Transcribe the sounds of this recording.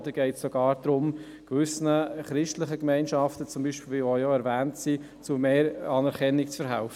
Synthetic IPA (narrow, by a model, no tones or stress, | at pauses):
d̥̪əɡ̥ɛɪtsoɡ̥ɑːɾd̥ɾʊm | kʋʏsnəχɾɪʃtləχəkmɛɪnʃɑftət͡sʊmbiːʃpiːlʋiojoɛɾvæːntsi | t͡sumeːɾɑːnɛɾkʰɛnːɪkt͡sfɛɾɦæ̰ʊfə